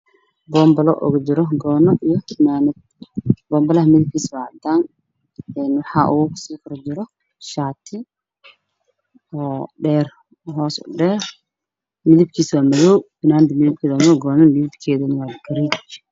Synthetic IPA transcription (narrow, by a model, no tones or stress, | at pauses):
bɔːmbɐlɔ̰ʔɔ̰ɣɐd͡ʒɪɾɔɡɔːnɔʔijɔkʰɪmaːnɐd̪ | bɔːmbɐlɐɦɐmɪðɪb̚kʰiːswad̪aːn | ɛnwɑħɑːʔṵɣksiːkʰɐɾɔd͡ʒɪɾɔ | ʃaːt̪ʰɪ | ɔːɖɛːr | ɦɔːsɔ̰ɖɛːr | mɪðɪb̚kʰiːswaːmɐðɔwfɪnaːnd̪ɪmɪðɪb̚kʰiːðɔmɔɡɔːnɐmɪðɪbkʰɛːðɐnɐwaːdɡɐɾiːd